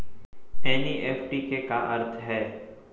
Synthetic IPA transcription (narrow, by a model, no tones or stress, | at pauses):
ɛːniːʔeːpʰʈikekaʔɐɾt̪ʰɦɛː